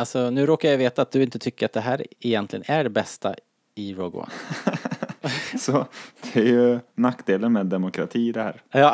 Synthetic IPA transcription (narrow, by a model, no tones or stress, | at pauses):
alsɔnʉ̟ːɾoːkajajveːt̪aːt̪̚d̪ɵɪnt̪ət̪ʰʏkːəɾat̪̚d̪ɛɦæːɾɛjɛnt̪lɪɡə̰næɖɛbɛst̪ʰa̰ | ɪɾɔɡʊ̰a̰ | sɔd̪̥ɛæɾjɵnakːd̪eːlənmeːd̪ːɛmʊkʰɾat̪ʰiːɪd̪ɛhæ̰ːɾjɑː